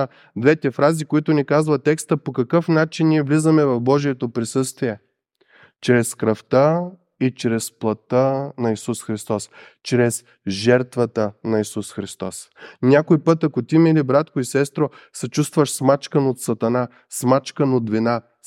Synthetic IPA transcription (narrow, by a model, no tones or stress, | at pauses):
d̪vɛt̪ɛfɾazikoit̪ʊnikazvɐt̪ːɛkst̪əpokɐkɤfnat͡ʃinːiɛvlizəmɛvɐfbɔʒiɛt̪opɾisɤst̪viɛ | t͡ʃɾɛskɾɐft̪ə | it͡ʃɾɛsplˠɐt̪ənɐisusxɾist̪ɔs | t͡ʃɾɛs | ʒɛɾt̪vət̪ənɐisusxɾist̪ɔs | nʲakojpɤt̪ɐkot̪imilibɾat̪koisɛst̪ɾo | sɛt͡ʃust̪vəʃsmat͡ʃkənot̪sɐt̪ɐna | smat͡ʃkənod̪vina